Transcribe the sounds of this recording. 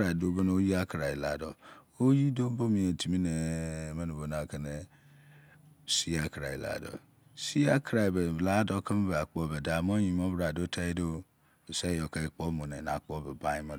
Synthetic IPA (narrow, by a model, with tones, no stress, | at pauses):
ɾa˨i˨do˦be˦n˦o˦ji˦a˦kɾa˨i˨la̰˨dɔ˨ | o˦ji˦do˦bo˦mi˨e˨tʰi˨mi˦ne˨˦me˦nu˨bo˨na˨ke˦ne˨ | si˦a˦kɾa˨ḭ˨la̰˨dɔ̰˨ | si˦a˦kʰɾa˨i˨be˨la˦dɔ˦kə˦m˦be˨a˨k͡po˨be˨da˨m˦o˦ji˨m˦o˦bɾa˨do˦tʰa˦i˦do˦ | e˨sa˦jo˨ka˨i˨k͡po˦mõ˨ne˨na˨k͡po˦be˨ba˦ji˦ma˦˨